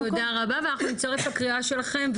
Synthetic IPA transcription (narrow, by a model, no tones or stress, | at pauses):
odaʁabaveanaχnunit͡saʁefakʁiaʃe̞laχe̞mv